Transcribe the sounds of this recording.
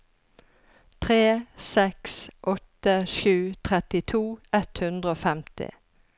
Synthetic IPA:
t̪ʰʁeːsɛksʔɔt̪əʃʉːt̪ʰʁɛt̪ɪt̪ʰuːɛt̪hʉnd̪ʁəoːfɛmt̪ɪ̰

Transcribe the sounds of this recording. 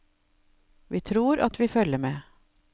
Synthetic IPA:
ʋiːt̪ʰɾuːɾʔɑ̰t̪ʋiːfœləmeː

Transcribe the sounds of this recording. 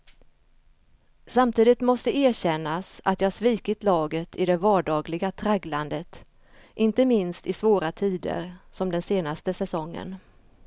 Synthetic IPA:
samt̪ʰiːd̪ɪt̪mɔst̪əʔeːɕɛnːasa̰t̪jɑːhaʂviːkɪt̪lɑːɡət̪ʰɪd̪ɛvɑːɖɑːɡlɪɡat̪ʰɾaɡland̪ət̪ | ʔɪnt̪əmɪnst̪ɪsvoːɾat̪ʰiːd̪ə̰ɾsɔmd̪ɛnseːnast̪əsɛsɔŋːə̰n

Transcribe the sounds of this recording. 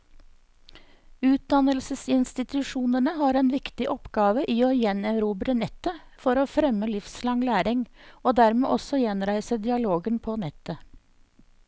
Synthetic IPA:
ʉːt̪̚d̪ɑnəlsəsɪnst̪ɪt̪ʉʃuːnənəhɑːɾeːnʋɪkt̪ɪʔɔpɡɑːʋəʔiːoːjɛnəɾuːbɾənɛt̪ːə | fɔɾoːfɾɛməlɪfslɑŋlæːɾɪŋoːd̪æɾmeːʔɔsɔjɛnɾæɪsəd̪ɪɑloːɡənpʰoːnɛt̪ːə

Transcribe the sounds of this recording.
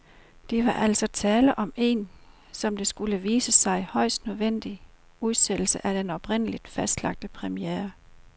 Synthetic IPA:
d̥iʋɑ̈ʔæl̰sɒ̽t͡sʰɛːləʔɒ̽me̝ːn | sɒ̽md̥e̝sɡ̥uləʋiːsəsɑ̈ɪhɒ̽ɪsd̥nøðˠʋen̰d̥i | uðˠsed̥l̩səʔæd̥enɒ̽pʰʁen̰əlid̥fæsd̥lɑ̈ɡ̥̚d̥əpʰʁɛmieːɐ

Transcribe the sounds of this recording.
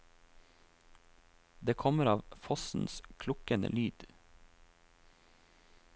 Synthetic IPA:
d̪eːkʰɔməɾɑːʋfɔsn̩skʰlʊkənə̰lyːd̪̥

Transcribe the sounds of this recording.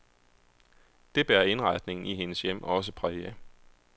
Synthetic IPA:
d̥e̝b̥æːɐe̝nʁɑd̥ne̝ŋn̩iɦe̝nəsjem̰ɒ̽s̬əpʰʁɛæ

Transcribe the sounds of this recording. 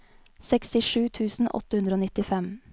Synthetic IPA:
sɛkst̪ɪʂʉːt̪ʰʉːsn̩ʔɔ̰t̪əhʉnd̪ɾəoːnɪt̪ɪfɛm

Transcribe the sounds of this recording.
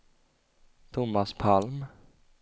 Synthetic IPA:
t̪ʰʊmːaspʰalm

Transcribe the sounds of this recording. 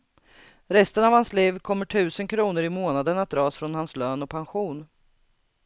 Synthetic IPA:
ɾɛst̪ənavhansliːvkʰɔmːəʈʰʉ̟ːsənkʰɾuːnʊɾɪmoːnad̪ənat̪̚d̪ɾɑːsfɾɔnhansløːnɔpʰanɧuːn

